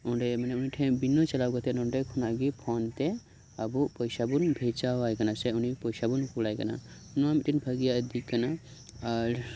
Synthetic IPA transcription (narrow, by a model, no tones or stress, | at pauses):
uɳɖemineuniʈʰẽbinːot͡ʃɐlawɡət̪enõɳɖekʰunaɡipʰɔnt̪e | ɐbupəjsabunbʱet͡ʃawajkɐnaseunipɔjsabunkulajkɐna̰ | namiʈinbʰʱəɡijad̪ikːɐna | aɾ